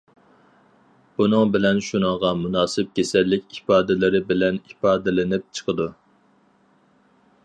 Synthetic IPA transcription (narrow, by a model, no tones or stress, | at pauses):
b̥unɨŋbɪlɛnʃunɨŋʁɑmunɑːsɪp̚kʲʰesɛlːɪkʲipɑːd̪ɪlɪɾɪbɪlɛnipɑːd̪ɪlɪnɪp̚t͡ʃʰə̥qʰəd̪u